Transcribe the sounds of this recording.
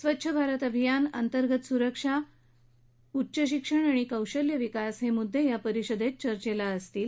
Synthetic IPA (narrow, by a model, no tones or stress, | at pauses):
sʋətːɕʰəbʱaɾət̪əbʱijanə̰nt̪əɾɡət̪suɾəkʂa | utːɕəɕikʂəɳ̃aɽ̃ikəwɕəljəʋikasɦemud̪ʱːejapəɾiɕəd̪et̪̚t͡ɕəɾt͡ɕelaəst̪iːl